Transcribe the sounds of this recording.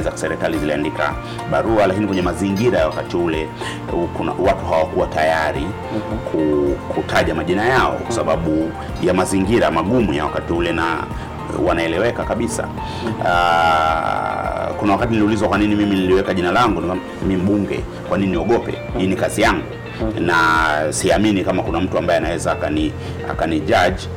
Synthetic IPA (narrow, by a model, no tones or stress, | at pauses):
zaksɛɾɛkaliziliandika̰ | ɓaɾualakinikwɛɲɛmaziŋɡiɾajawakatiulɛ | kuna̰watuɦawakuwatajaɾi | kʰukʰutʰaʄamaʄinajaɔ̰kwḁsaɓaɓu | jamaziŋɡiɾamaɠumujawakatiulɛna̰ | wanaɛlɛwɛkakaɓisa̰ | kunawakatiniliulizwakwaninimiminiliwɛkaʄinalaŋɡunikam | mim̩ɓuŋɡɛ̰ | kwanininiɔɠɔpɛ̰ | inikazijaŋɡu | nasiaminikamakunam̩tuambaɛanawɛzaːkani | a̰kaniʄaʄi